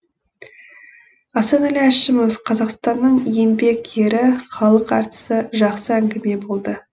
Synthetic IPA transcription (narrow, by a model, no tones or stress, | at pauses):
ɑsɑnæliæʃɪmo̞fqʰɑzɑqst̪ɑnːəɴje̞mbe̞ke̞ɾɪχɑlˠəqɑ̰ɾt̪ə̥səʒɑqsəæŋɡʲɪme̞bo̞lˠd̪ə